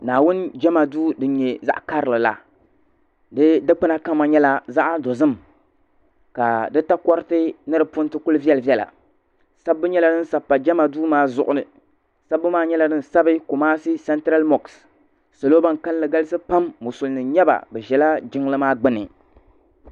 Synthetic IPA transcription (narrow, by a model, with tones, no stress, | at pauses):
naː˨wʊ˦n˦d͡ʒɛ˦ma˨duː˦dɨ˦n˦ɲɛ˨za̰˦ʔka˦ɾɨ˨lɨ˨la̰˨ | dɨ˦dɨ˦k͡pɨ˦na˦ka˦mːa˨ɲɛ˦la˦za˦ʔa˦do˨zɨ˦m | ka˨dɨ˦ta˦kɔ˦ɾɨ˦tɨ˦nɨ˦ɾɨ˨pʊ˦ntɨ˦kʊ˦lvi˦ɛ˦lɨ˨vjɛ˦la̰˨ | sa˦bːɨ˦ɲɛ˦la˨dɨ˦n˦sa˨pːa˨d͡ʒɛ˦ma˨duː˦maː˦zʊ˦ʔʊ˨nɨ˨ | sa˦bːɨ˦maː˦ɲɛ˦la˨dɨ˦n˨sa˦bɨ˦ko˨maː˦sɨ˦sɛ˦ntɾa˦lmɔ˨ks | sa˨loː˦ba˦ŋka˦llɨ˦ɡa˦lɨ˦sɨ˦pa˦mːʊ˨sʊ˨lnɨ˨ɲɛ˦ba̰˨bɛ˨ʒɛ˨la˦d͡ʒɪ˦ŋlɨ˦maː˦ɡ͡bɨ˦nɨ̰˨